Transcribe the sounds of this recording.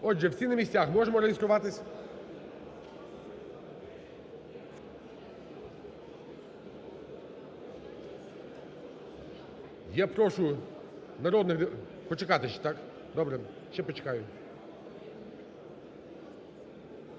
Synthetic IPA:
ɔdʒɛwsʲinɐmʲisʲt͡sʲaxmɔʒemɔɾejest̪ɾʊʋɑt̪ɪsʲ | japɾɔʃʊ | nɐɾɔd̪nɪx | pɔt͡ʃekɑt̪ɪʃɛ̥t̪ak | d̪ɔbɾɛ | ʃt͡ʃɛpɔt͡ʃɛ̥kɑjʊ

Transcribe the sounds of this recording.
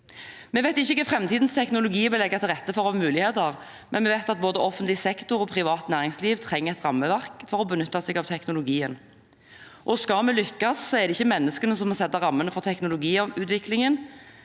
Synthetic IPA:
mɛʋæɪt̪ɪçːəkəfʁɛmt̪ʰiːd̪nst̪ʰɛknʊlʊɡiːʋɪlɛɡːɑt̪ʰɪlʁɛt̪ːəfɔʁɔɑmʉːlɪheːt̪əʁ | mʔɛnmɛːʋæɪt̪ɑt̪̚boːd̪əʔɔfːənt̪lɪsɛkt̪ʊɾɔpʰʁɪʋɑːt̪næːʁɪŋsliːʋt̪ʰʁɛŋːəɛt̪ʁɑmːəʋæʁkfɔɾɔbənʏt̪ːɑsɛɡɑʋt̪ʰɛknʊlʊɡiːən | ʔɔskɑmɛlʏkːɑssɔɛʁd̪ɛɪçːəmɛnːəskənəsɔmhɑsɛt̪ːəʁɑmːənəfɔʁt̪ʰɛknʊlʊɡiːʉːt̪ʋɪklɪŋən

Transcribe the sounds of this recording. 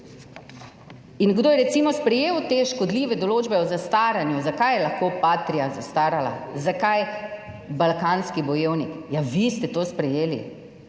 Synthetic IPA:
inɡd̪oːjɛɾɛt̪simɔspɾɛjewt̪eʃkɔd̪liːʋɛd̪ɔloːd͡ʒbɛɔzast̪aːɾanjuzakajɛlaxkoːpaːt̪ɾijazast̪aːɾala̰zakaj | balkaːnskibɔjeːwnikjaʋist̪ɛt̪ospɾɛjeːlḭ

